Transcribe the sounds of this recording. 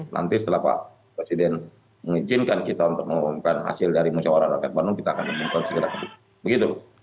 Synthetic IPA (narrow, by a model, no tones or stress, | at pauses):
la̰nt̪ɪsə̥t̪əlahpa̰ʔ | pɾesidɛn | məŋid͡ʒɪnkankit̪aunt̪ʊk̚məŋɔmkanɦa̰sɪldaɾimusawaɾanɾakat̪̚banʊŋkit̪aːkanməmuŋkansəɡəɾak̪ətuk̚ | bəɡit̪u